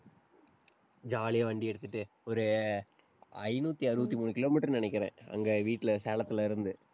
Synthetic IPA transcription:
d͡ʒaːlɪjɐʋɐɳɖiɛɽɯt̪ːɯʈːɯ | ɔɾɯ | ɐɪnuːt̪ːiɐɾɯbɐt̪̬ːimuːnɯkɪloːmiːʈːɐɾnɪnɛk̬ʲːɪɾḛ̃ːɐ̰ŋɡeːʋiːʈːɪlɐseːlɐt̪ːɪlaːɪɾɯnd̪ɯ

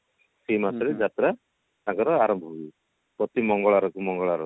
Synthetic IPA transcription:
semasɔɾed͡ʒat̪ɾa | aɡɔɾɔaɾɔmbʱɔi | pɾɔt̪imɔŋɡɔɭaɾɔkumɔŋɡɔɭaɾɔ

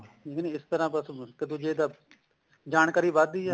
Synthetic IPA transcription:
iːkːneɪst̪əɾãːpəskəd̪õːd͡ʒeːd̪aː | d͡ʒaːnkaːɾiːʋad̪iːɛ

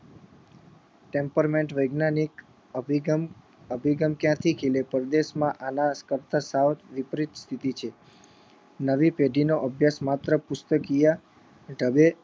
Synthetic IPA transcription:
ʈempəɾmeɳʈʋəjɡnanik | əbʱiɡəmkjãt̪ʰikʰilepəɾd̪eʃmãʔanaskəɾt̪asawt̪ʋipɾit̪st̪ʰit̪it͡ʃʰe | nəʋipeɖinoʔəbʱjasmat̪ɾəpʊst̪əkija | ɖʱəbe

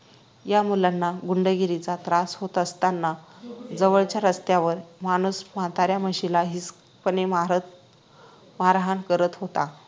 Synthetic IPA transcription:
jamulanːaɡuɳɖəɡiɾit͡sat̪ɾasɦot̪əst̪anːad͡zəʋəɭt͡ɕjaɾəst̪jaʋəɾmaɽ̃uːsmat̪aɾjaməɕilaɦis | pənemaɾə | maɾaɦankəɾət̪ɦot̪a

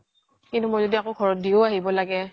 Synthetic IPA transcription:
kintumozodiakoɡʰʱɔɹɔt̚dioaɦibɔlaɡɛ

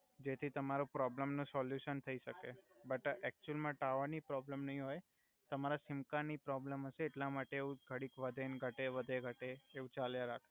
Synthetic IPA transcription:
d͡ʒet̪ʰit̪əmaɾupɾɔbləmnũsɔljuʃənt̪ʰəiʃəkebəʈɛk̚t͡ʃuəlmãʈaʋənipɾɔbləmnəɦĩɦoj | t̪əmaɾasɪmkanipɾɔbləmɦəʃeːʈlamaʈeeũɡʱəɽikʋəd̪ʱenɡʱəʈeʋəd̪ʱeɡʱəʈeːũt͡ʃaljãɾakʰ

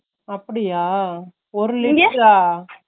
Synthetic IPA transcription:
ɐpːɐɽɪjaː | ɔɾɯlɪŋɡkːaː

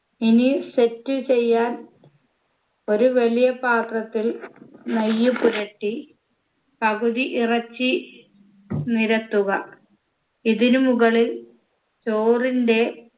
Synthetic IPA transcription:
inise̞tːɨt͡ɕe̞jːaːn | o̞ɾuʋɐlijɐpaːt̪rɐt̪ːilnɐjːupuɾɐʈːi | pɐɣuðiʔirɐt͡ɕːi | niɾɐt̪ːuɣɐ | iðinumuɣɐɭil | t͡ɕoːrinde̞

